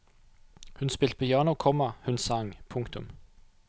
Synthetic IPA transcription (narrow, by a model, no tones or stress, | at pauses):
hʉnspɪlt̪̚pʰoːjɑːnʊkʰɔmɑhʉnsɑŋpʰʊŋkt̪ʊm